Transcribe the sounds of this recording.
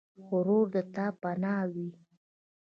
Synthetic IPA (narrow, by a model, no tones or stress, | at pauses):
xoɾoɾd̪ət̪apanɑwi